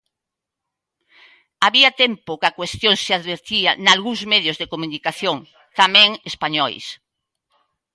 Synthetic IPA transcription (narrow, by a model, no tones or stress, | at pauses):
aβiat̪empokakwest̪joŋseaðβeɾt̪ianalɣuŋzmeðjozðekomunikaθjoŋ | t̪amɛ̃ŋespaɲɔjs